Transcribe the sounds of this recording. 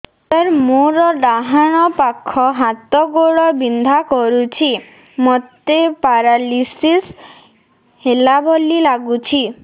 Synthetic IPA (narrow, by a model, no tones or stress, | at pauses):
t̪aɾmoɾɔɖaɦaɽ̃ɔpakʰːɔɦat̪ɔɡoɭɔbind̪ʱakɔɾut͡ʃʰi | mɔt̪epaɾalisis | helabʱɔlilaɡut͡ʃʰi